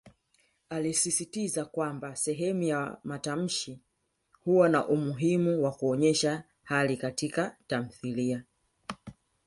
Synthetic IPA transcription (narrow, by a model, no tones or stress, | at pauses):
alisisitizakwambasɛɦɛmujamatam̩ʃi | huanaʔumuɦimuwakuɔɲɛʃa | halikatikatam̩θilia